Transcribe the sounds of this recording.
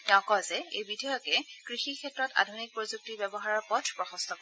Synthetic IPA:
tɛʊ̃kɔzɛejbidʱɔjɔkɛkɹixikʰɛtːɹɔta̰dʱunik̚pɹozuk̚tibɛbɔɦaɹɔɹpɔtʰpɹɔxɔ̃stʰɔkɔɛ

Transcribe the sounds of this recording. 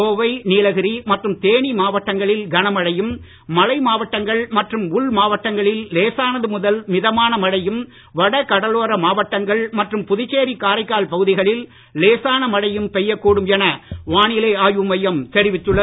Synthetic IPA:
oːʋɐɪniːlɐɣɪɾimɐʈrɯmt̪eːɳimaːʋɐʈːɐŋɡɐɭɪlɡɐnɐmɐɽɐjɯmː | ɐlɐɪmaːʋɐʈːɐŋɡɐɭmɐʈrɯmʊɭmaːʋɐʈːɐŋɡɐɭɪlleːsaːnɐðɯmʊðɐlmɪðɐmaːnɐmɐɽɐjɯm | ʋɐɽɐkɐɽɐloːɾɐmaːʋɐʈːɐŋɡɐɭmɐʈrɯmpʊðɪt͡ʃːeːɾikaːɾɐɪkːaːlpɐɣɯðɪɣɐɭɪl | leːsaːnɐmɐɽɐjɯmpɛjːɐkːuːɽɯmjɛnɐʋaːɳɪleːaːjɯmɐjɐmt̪ɛɾɪʋɪt̪ːɯɭːɐ

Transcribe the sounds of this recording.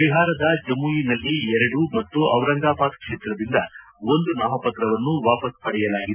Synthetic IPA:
ɾiɦaːɾɐd̪ɐd͡ʒɐmujinɐlːiɛɾɐɽumɐt̪ːuɐʋɾɐŋɡaːpaːt̪kʂeːt̪ɾɐd̪ind̪ɐ | o̞nd̪unaːmɐpɐt̪ɾɐʋɐnːuʋaːpɐspɐɽɛjɐlaːɡid̪

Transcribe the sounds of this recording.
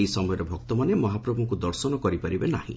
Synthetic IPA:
isɔmɔjɔɾebʱɔk̚t̪ɔmanemɔɦapɾɔbʱũŋkud̪ɔɾsɔnɔkɔɾipaɾibenahḭ̃

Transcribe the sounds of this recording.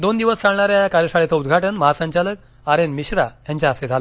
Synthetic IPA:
d̪ond̪iʋəst͡saɽɳ̃aɾjaakaɾjəʂaɭet͡saud̪ɡʱaʈənməɦasə̃ɲt͡ɕalək̚ | aɾenmiɕɾajaɲt͡ɕjaːsed͡zʱalə

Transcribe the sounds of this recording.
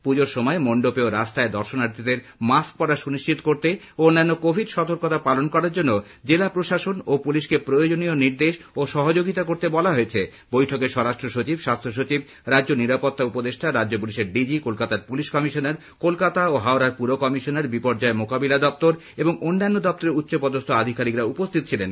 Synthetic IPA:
pud͡ʑoɾʃɔmɔemoɳɖopeoɾast̪aed̪ɔɾʃonaɾt̪ʰid̪eɾ | mask̚pɔɾaʃuniʃt͡ɕit̪o̥koɾt̪e | oonːanːokobʱidʃɔt̪oɾkot̪apalonkɔɾaɾd͡ʑonːo | d͡ʑelapɾoʃaʃonopuliʃkepɾojod͡ʑonioniɾd̪eʃoʃɔɦod͡ʑoɡit̪akoɾt̪ebɔlaɦoet͡ɕʰe | bojʈʰokeʃɔɾaʃʈɾoʃot͡ɕibʃast̪ʰoʃ̬ot͡ɕib | ɾadːʑoniɾapot̪ːaupod̪eʃʈʰaɾadd͡ʑopuliʃeɾɖid͡ʑikolkat̪aɾpuliʃkɔmiʃoneɾ | kolkat̪aoɦaoɾaɾpuɾokɔmiʃoneɾbipoɾd͡ʑaemokabilad̪ɔp̚t̪oɾ | eboŋonːanːod̪ɔp̚t̪oɾeɾut̪ːɕopɔd̪ost̪ʰoad̪ʱikaɾikɾaupost̪ʰit̪o̥t͡ɕʰilen

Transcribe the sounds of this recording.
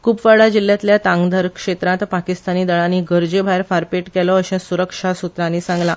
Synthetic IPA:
kupʋaɭad͡ʑilːjat̪ljat̪ãŋɡd̪ʱəɾkʂet̪ɾãt̪pakist̪aniːd̪əɭaniːɡəɾd͡ʑebʱajɾfaɾpeʈkɛlɔəɕɛ̃suɾəkʂasut̪ɾãniːsãŋɡla

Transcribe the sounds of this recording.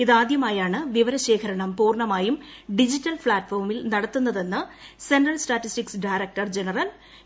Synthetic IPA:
iðaːd̪jɐmaːjaːɳɨʋiʋɐɾɐɕe̞ːkʰɐɾɐɳɐmpuːrɳɐmaːjumɖid͡ʑitːɐlfɭaːʈfoːrmilnɐɽɐt̪ːunːɐðe̞nːɨse̞nrɐlsʈaːtːistiksɖajɾek̚ʈɐrd͡ʑe̞nɐrɐl

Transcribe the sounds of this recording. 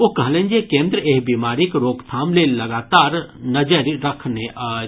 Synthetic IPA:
okɐɦlẽnd͡ʒekẽːnd̪ɾəeːɦbimaːɾikɾoːkt̪ʰaːmlelɐɡaːt̪aːɾnɐd͡ʒəɾɾɐkʰneʔa

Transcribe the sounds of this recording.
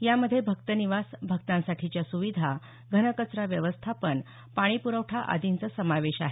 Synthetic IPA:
jaməd̪ʱjebʱəkt̪əniʋasbʱək̚t̪ãnsaʈʰit͡ɕjasuʋid̪ʱa | ɡʱənəkət͡sɾaʋjəʋəst̪ʰapəɳ | paɽ̃ipuɾəʋʈʰaʔa̰d̪ʱint͡səsəmaʋeɕaɦe

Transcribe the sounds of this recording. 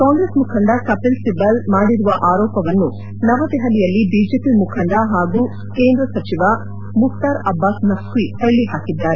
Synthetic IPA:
kaːŋɡɾesmukʰɐɳɖɐkɐpilsibɐlmaːɽiɾuʋɐʔaːɾɔːpɐʋɐnːu | nɐʋɐd̪ɛɦɐlijɐlːibid͡ʒepimukʰɐɳɖɐɦaːɡu | ke̞ːnd̪ɾɐsɐt͡ʃiʋɐ | mukt̪aːɾɐbːaːsnɐsʋihɐɭːiɦaːkid̪ːaːɾe

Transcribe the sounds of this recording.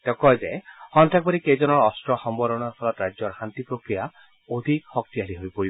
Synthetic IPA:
t̪ekɔjd͡ʒajhɔnt̪ʰak̚bɔɾiked͡ʒɔnɔɾːstɾɔxɔmbɔɾɔnɔɾpʰɔlɔt̪ɾad͡ʒjɔɾhant̪ipɾokɾija | od̪ʱikhɔk̚t̪ialiɦojpoɾi

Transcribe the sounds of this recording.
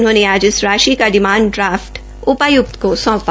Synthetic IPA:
nɦõːneaːd͡ʒɪsɾaːʃikad̪ɪmaːɳɖɖɾaːfʈ | ʊpajʊk̚t̪kosɔ̃ːpa

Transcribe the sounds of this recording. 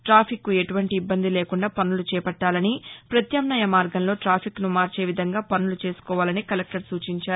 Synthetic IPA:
ʈɾaːpʰikːue̞ʈuʋɐɳʈiːbːɐnd̪ile̞ːkuɳɖaːpɐnːulut͡ʃɛːpɐʈːaːlɐnipɾɐt̪jɐmnɐjɐmaːɾɡɐnlo̞ːʈɾaːpʰiknumaːɾt͡ʃe̞ːʋid̪ʱɐŋɡaːpɐnːulut͡ʃe̞ːsu̥kɔːʋaːlɐnikɐlek̚ʈɐɾsuːt͡ʃiɲt͡ʃaːɾu

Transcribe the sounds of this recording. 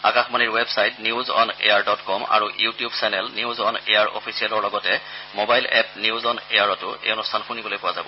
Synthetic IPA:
a̰kaxmaniɹwɛbsajtniuzɔ̰nḛjaɹdɔtkɔma̰ɹujutijubsɛnɛlniuzɔnejaɹʔɔ̰pʰisialɔɹlɔɡɔtɛmobajlɛpniuzɔnejaɹɔtʊḛjɔnustʰanxunibolojpʊwazabɔ

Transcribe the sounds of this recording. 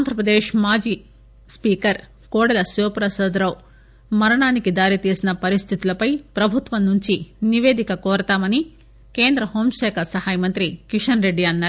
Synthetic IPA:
and̪ʱɾɐpɾɐd̪eːʂmaːd͡ʒiː | spiːkɐɾ | kɔːɽɐlɐsoːpɾɐsɐːd̪ɾɐw | mɐɾɐɳaːnikid̪aːɾit̪iːsinɐpɐɾist̪ʰit̪ulɐpɐjpɾɐbʱut̪ʋɐnnuɲt͡ʃiniʋeːd̪ikɐkɔːɾɐt̪aːmɐni | ke̞ːnd̪ɾɐhoːmʃɛːkʰɐsɐhaːjmɐnt̪ɾikiʂɐnɾe̞ɖːiɐnːaːɾ

